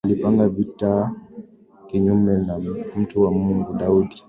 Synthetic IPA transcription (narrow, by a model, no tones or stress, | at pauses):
alipaŋɡavita | kiɲumɛnam̩tuwamuŋɡuɗauɗi